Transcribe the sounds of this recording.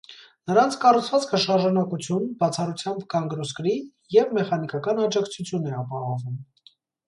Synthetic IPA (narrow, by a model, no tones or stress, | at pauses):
nəɾɑnt͡sʰkɑrut͡sʰvɑt͡skʰəʃɑɾʒɑnɑkut͡sʰjunbɑt͡sʰɑrut͡sʰjɑmbkɑŋɡɾɔskɾi | jɛvmɛχɑnikɑkɑnɑd͡ʒɑkt͡sʰut͡sʰjunɛɑpɑɦɔvum